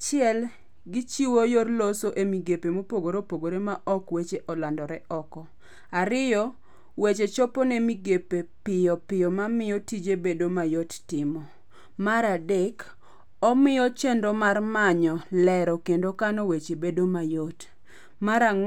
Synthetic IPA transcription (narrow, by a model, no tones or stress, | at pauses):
t͡ʃɪɛl | ɡɪt͡ʃiwojorlosoʔemiɡepemopoɡoɾopoɡoɾemaʔɔkwet͡ʃeʔɔlandɔɾɛʔɔkɔ | aɾɪjɔ | wet͡ʃet͡ʃɔpɔnemiɡepepɪjɔpɪjɔmamɪjɔtid͡ʒebedomajottɪmɔ | maɾadek | ɔmɪjɔt͡ʃendomarmaɲɔlɛɾɔkendokanɔwet͡ʃebedomajot | maɾa